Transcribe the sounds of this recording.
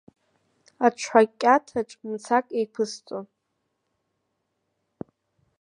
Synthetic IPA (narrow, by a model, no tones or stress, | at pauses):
at͡ʃʷʰħakʲʼːatʰaʈ͡ʂʼmt͡sʰakʼejpʰɨst͡sʼon